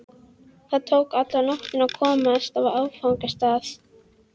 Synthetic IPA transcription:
θaðt̪ʰoːwkat̪lanɔht̪ɪnawkʰɔːmaast̪avaaːwfawŋkast̪aːθ

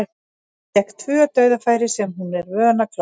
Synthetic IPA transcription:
t̪ɛkt̪ʰvʏœt̪œːɥðafaːjɾɪsɛmɦunɛɾvœːnakʰla

